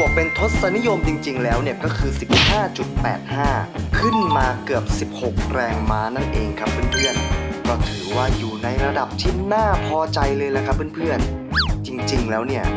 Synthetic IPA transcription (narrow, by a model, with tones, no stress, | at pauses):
pu˨˩əpe˧nt̪ʰo˦˥t̪̚sa˧˦ni˦˥jo˧mt͡ɕi˧ŋt͡ɕi˧ŋlɛː˦˥wni˥˩ɐkɔː˥˩kʰɯː˧si˨˩p̚haː˥˩t͡ɕu˨˩t̪̚pɛ̰ː˨˩t̪̚haː˥˩kʰɯ˥˩nmaː˧kɯ˨˩əp̚si˨˩p̚ho˨˩k̚ɾɛː˧ŋmaː˦˥na˥˩nʔeː˧ŋkʰa˦˥pʰːɯ˥˩˨npʰɯ˥˩ənkɔː˥˩t̪ʰɯː˩˦waː˥˩juː˨˩na˧jɾa˧da˨˩p̚t̪ʰi˦˥˩naː˥˩pʰɔː˧t͡ɕa˧jlɤː˧jla˨˩kʰa˦˥pʰːɯ˥˩˨npʰɯ˥˩ən | t͡ɕi˧ŋt͡ɕi˧ŋlɛː˦˥wni˥˩ɐ